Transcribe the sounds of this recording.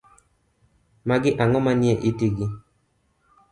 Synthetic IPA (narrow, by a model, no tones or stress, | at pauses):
maɡɪʔaŋɔmanjeʔitiɡɪ